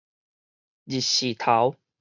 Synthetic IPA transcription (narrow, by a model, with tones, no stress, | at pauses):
d͡ʑi˨ɕi˨˩t̪ʰa˨˦w